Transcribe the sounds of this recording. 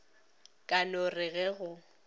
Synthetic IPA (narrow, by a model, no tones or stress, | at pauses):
kʼanorɪɣɛɣʊ